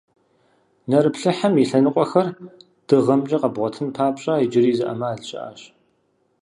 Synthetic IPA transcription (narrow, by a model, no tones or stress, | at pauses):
nɐɾɨpɬɨħamiɬɐnɨqʷʼɔxɐr | d̥ɨʁɐmd͡ʒʼɐqɐbʁʷɔtʰɨnpʰaːpɕʼaːid͡ʒɪɾiːzɨʔɐ̰maːɮɕʼɐ̰ʔa̰ːɕ